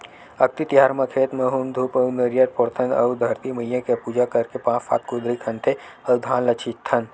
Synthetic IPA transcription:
ɐk̚t̪it̪iɦaːɾmɐkʰeːt̪mɐːɦuːmd̪ʱuːpəwnɐɾjat̪̚poɾt̪ʰənɐ̰wd̪ʱɐɾt̪imɐjjakepuːd͡ʒakɐɾkepãːfa̰ːt̪̚koːd̪ɾikʰɐ̃nt̪ʰe | ɐwd̪ʱãːnlɐt͡ʃʰit̪ʰːɐn

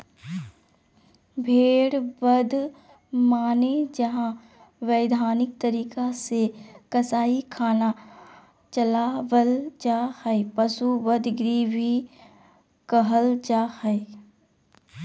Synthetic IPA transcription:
bʱeːɽbəd̪ʱ | maːned͡ʒɐɦã | ʋəːɪd̪ʱaːnɪk̚t̪əɾiːkasekɐsaːikʰaːna | t͡ʃɐlaːʋəld͡ʒaːhəepɐsuʋəd̪ɡɾibi | kəɦəld͡ʒaːhəe

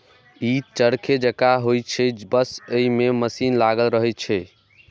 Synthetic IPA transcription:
it͡ʃəɾkʰed͡ʒəkaɦojt͡ʃʰɛbəsəimeməsinlaɡəlɾəɦɛt͡ʃʰɛ

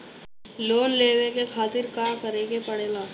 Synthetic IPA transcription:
loːnleːʋekekʰaːt̪ɪɾkaːkɐɾẽːɡepɐɽeːɡaː

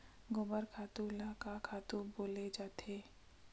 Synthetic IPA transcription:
ɡʊbəɾkʰaːt̪ũlakakʰaːt̪ũboːled͡ʒaːt̪ʰeː

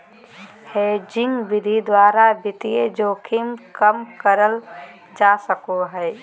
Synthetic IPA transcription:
hed͡ʒɪ̃ŋɡʋɪd̪ʱid̪waːɾabɪt̪ied͡ʒoːkʰɪmkəmkəɾəl | d͡ʒaːsəkoɦɛː

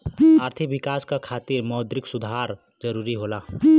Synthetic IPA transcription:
aːɾt̪ʰikbɪkaːskakʰaːt̪iɾmɔːd̪ɾɪksʊd̪ʱaɾ | d͡ʒəɾuːɾiɦoːla

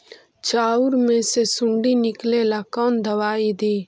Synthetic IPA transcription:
t͡ʃaːʊɾmẽsesʊ̃ɳɖinɪklelakɔːnd̪əʋaːid̪iː

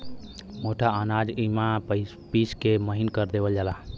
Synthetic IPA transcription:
moʈaənad͡ʒima | piskeməɦinkəɾd̪ebəld͡ʒala

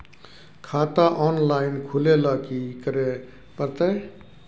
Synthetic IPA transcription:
kʰat̪aʔɔnlaɪnkʰulelʌkikəɾe | pəɾt̪ə

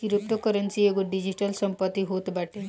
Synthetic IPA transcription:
kiɾup̚t̪ɔkəɾənsieɡuɖid͡ʑiʈəlsəmpət̪ːiɦot̪baʈʰe

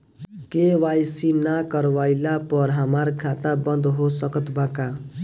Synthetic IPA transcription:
kewajsinakʌɾwajlapʌɾɦamaɾkʰat̪abʌnd̪ɦosʌkʌt̪baka

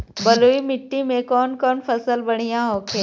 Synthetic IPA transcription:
bəluimɪʈːimẽkɔːnkɔːnpʰɐsəlbɐɽ̤̃ijãɦoːkʰeː

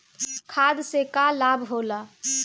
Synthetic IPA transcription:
kʰad̪sekalabʱɦola

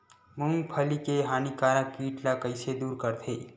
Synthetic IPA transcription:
mʊŋɡpʰəlikeɦaːnikaːɾãkiːʈlakəɪsed̪uːɾkəɾt̪ʰeː

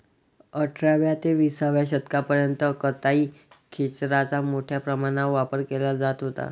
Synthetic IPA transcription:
əʈʰɾaʋjat̪eʋisaʋjaɕət̪kapəɾjənt̪əkət̪aiː | kʰet͡ɕɾat͡samoʈʰjapɾəmañaʋapəɾkelad͡zat̪ɦot̪a̰

